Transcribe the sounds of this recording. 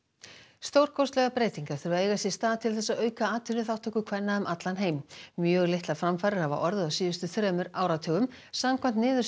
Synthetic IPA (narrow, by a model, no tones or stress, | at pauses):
st̪owr̥kʰɔwst̪lɛɣapɾeːjt̪iŋkaɾ̥θʏɾʏvaðeːjɣasjɛ̥st̪aːðt̪ʰɪlθɛsːaðœːɥkaaːt̪ʰʏlʏθawht̪ɔhkʏkʰv̥ɛnːaʏmʔat̪lanɦeːjmmjœːɣlɪht̪lḁfɾamfaːɾɪɾhava̰ʔɔɾðʏawsiːʏst̪ʏθɾœːmʏɾaːwɾat̪ʰœːɣʏm | samkʰvant̪nɪːðʏ